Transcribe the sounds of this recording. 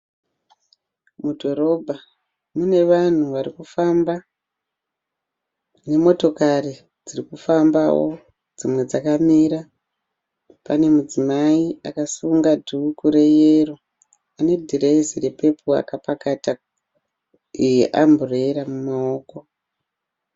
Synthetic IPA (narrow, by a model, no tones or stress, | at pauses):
mudʱo̞ɾo̞bʱa | mune̞ʋan̤uʋaɾikufamba | ne̞mo̞to̞kari | d͡zirikufambawo̞̰ | d͡zimwe̞d͡zakamiːɾa | pane̞mud͡zimaiakasuŋɡadʱuːkuɾe̞jero | ane̞dʱireisire̞pe̞pʰua̰kapakata | ieʔambureɾamumao̞ːko̞